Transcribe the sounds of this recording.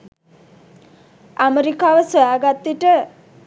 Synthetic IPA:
ameɾikaːʋəsojaːɡat̪ːiʈə

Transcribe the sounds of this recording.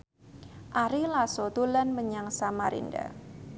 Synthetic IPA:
ʔaɾilasot̪ulanməɲaŋsamaɾḭnda̰

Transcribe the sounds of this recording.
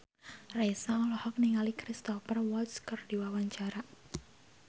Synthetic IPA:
rejsaɔlɔhɔk̚niŋalikɾist̪ɔfərwɔlskərd̥iwawaɲt͡ʃaɾa

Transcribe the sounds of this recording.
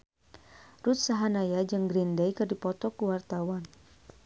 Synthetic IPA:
rut̪̚saɦanajad͡ʒəŋɡɾindejkɨrdipɔt̪ɔkuwart̪awan

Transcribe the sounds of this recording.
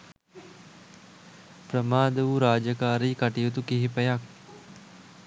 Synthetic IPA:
pɾəmaːd̪əʋuɾaːd͡ʒəkaːɾiːkaʈijut̪ukiɦipəjak̚

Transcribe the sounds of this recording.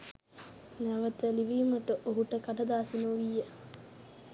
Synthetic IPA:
næʋət̪əliʋiːməʈəʔoɦuʈəkaɖɐd̪aːsinoulijːə

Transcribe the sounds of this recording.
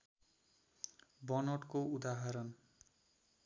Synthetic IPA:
bʌnʌʈkoud̪aɦaɾʌn

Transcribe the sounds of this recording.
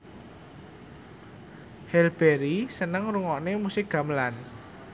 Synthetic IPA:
hɛlb̥eɾisənəŋruŋɔʔnemusɪk̚ɡ̥a̤məlan

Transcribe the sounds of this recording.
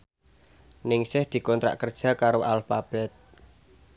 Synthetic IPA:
nɪŋsɪhd̪̥i̤kɔnt̪ɾa̰ʔkərd̥ʒ̥ä̤kaɾoʔalfab̥ɛt̪̚

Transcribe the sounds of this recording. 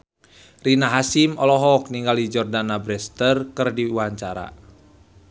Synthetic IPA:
rinaɦasimɔlɔɦɔk̚niŋɡalid͡ʒɔrdanabɾɛst̪ərkɨrdiwaɲt͡ʃaɾa̰

